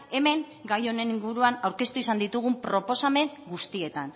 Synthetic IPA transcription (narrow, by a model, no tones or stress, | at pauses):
e̞me̞ŋ | ɡajo̞ne̞niŋɡuɾuanawɾke̞st̪uisand̪it̪uɣ̞umpɾo̞po̞same̞ŋɡust̪ie̞t̪an